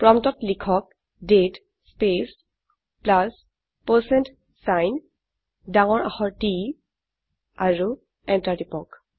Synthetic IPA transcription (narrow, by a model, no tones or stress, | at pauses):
pɹɔmtɔtlikʰɔk̚ | det | spes | plas | posent | sajn | daŋɔɹa̰xɔɹti | aɹu | ɛntatipɔk